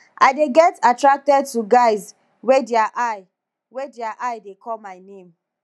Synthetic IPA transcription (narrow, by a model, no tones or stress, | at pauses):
ʔaɪdeɡɛtatɹak̚tɛd̚tuɡaɪz | wedɛaʔaɪ | wediaʔaɪdekʰɔlmaɪnẽm